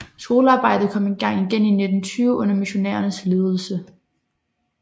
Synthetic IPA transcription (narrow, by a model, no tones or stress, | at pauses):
sɡ̥o̝ːləɑ̈ːb̥ɑ̈ɪ̰d̥ð̩ˠkʰɒ̽m̰enɡ̥ɑ̈ŋ̰iɡ̥en̰ine̝d̥n̩t͡sʰyːʊəʔɔ̽n̰ɐmiɕo̝nɛ̰ːɐnəsle̝ːð̞ˠl̩sə